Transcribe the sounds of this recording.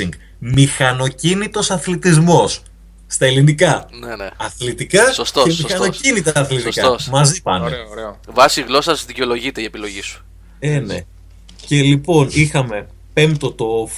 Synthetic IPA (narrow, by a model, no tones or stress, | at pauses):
iŋɡ | mixɐno̞cinit̪o̞sɐθlit̪izmo̞sː | t̪ɐe̞linikɐneneɐθlit̪ikɐsost̪emixɐnocinit̪ɐːθlit̪ikɐmɐzipɐneɾevɐsiɣlo̞sɐzðiceo̞lo̞ʝit̪eiepilo̞ʝisu̥ | ene̞̰ | ce̞lipo̞nixɐme̞ | pe̞mt̪o̞t̪of